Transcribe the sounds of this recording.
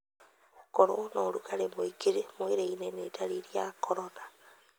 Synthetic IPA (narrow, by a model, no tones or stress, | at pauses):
koɾonoɾukaɾemoikiɾemoiɾeinenetaɾiɾiakʰoɾona